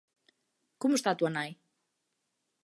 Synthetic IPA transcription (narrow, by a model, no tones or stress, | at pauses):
komʊst̪at̪uɐnaj